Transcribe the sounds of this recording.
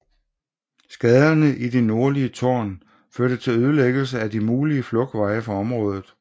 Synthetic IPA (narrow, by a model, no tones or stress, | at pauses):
sɡ̥ɛð̞ˠɐnəʔid̥ino̝ɐliət͡sʰɒ̰ːn | føɐɾ̥ət͡sʰe̝løð̞ˠəleɡ̥əl̩s̬əæd̥imuːliəflɔ̽ɡ̥ʋɑ̈ɪəfɒɒ̽mʁɔ̽ːð̞ˠð̩ˠ